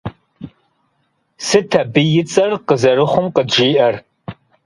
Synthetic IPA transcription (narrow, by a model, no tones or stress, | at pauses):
sɨtʰɐbɨjɪt͡sʼɐrqəzɐrɨχʷʊmqədʒiːʔɐr